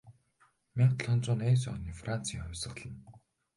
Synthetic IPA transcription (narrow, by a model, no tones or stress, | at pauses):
mʲaɴt̪ɮɔnt͡sʊːneːs̬ɔniːfran̥t͡siːŋɔwʲsə̆χɮə̆n